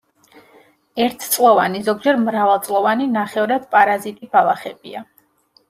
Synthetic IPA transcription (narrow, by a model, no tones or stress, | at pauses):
ɛɾt̪ʰt̪sʼlˠɔvanizɔɡ̚d͡ʒɛɾmɾavalˠt̪sʼlˠɔvaninaχɛvɾad̪̥pʼaɾazit̪ʼibalˠaχɛbḭa